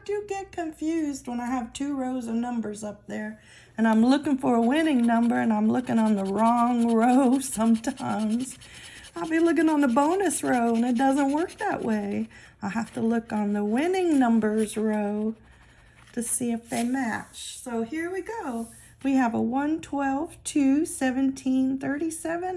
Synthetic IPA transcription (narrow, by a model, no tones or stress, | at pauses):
d̥ɨɡɛt̚kʰɨ̃ɱfjʉzd̚wə̃naɪɨv̥tʰʉɹoʊzəvnʌ̃mbə˞zʌp̚ðə˞ | ɨ̃ñãɪ̃mlʊkɪ̃ŋfə˞əwɪ̃nɪ̃ŋnʌ̃mbə˞ɨ̃nãɪ̃mlʊkɪ̃ŋə̃nðəɹɔ̃ŋɹoʊsʌ̃mtʰãɪ̃mz̥ | aɪlˠbilʊk̬ɪ̃ŋə̃nðəbõʊ̃nɨsɹoʊə̃nɨt̚d̥ʌzə̃nʔwɜ˞k̚ðə̰ʔweɪ | aɪɦæftəlʊkn̩ðəwɪ̃nɪ̃ŋnʌ̃mbə˞zɹoʊ | ɾɨsiɨfðeɪmæt͡ʃsoʊhiɹwiɡoʊ | wiɨvəwʌ̃ntʰw̥ɛlˠv̥tʰʉsɛvɨ̃ntʰĩnθɜ˞ɾisɛvɨ̃n